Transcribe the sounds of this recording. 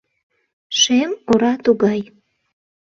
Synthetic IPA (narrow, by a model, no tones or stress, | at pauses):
ʃemoɾɑt̪uɡɑj